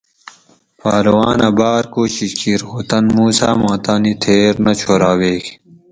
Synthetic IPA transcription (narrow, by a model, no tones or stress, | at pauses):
paːɾɐwaːnɐbaːɾkoːɕikiɾoːt̪ɐnmuːsa̰ːmãːt̪aːnit̪ʰeːɾnɐt͡ɕʰoːɾaːweːɡ